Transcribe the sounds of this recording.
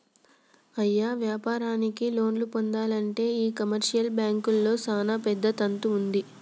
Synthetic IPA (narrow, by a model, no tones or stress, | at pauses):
ɐjːaːʋjaːpaːɾaːnikilo̞ːnlupond̪aːlɐɳʈe̞ːiːkɐmɐɾʂijɐlbjaːŋkulːo̞ːsaːnapɛd̪ːɐt̪ɐnt̪uund̪i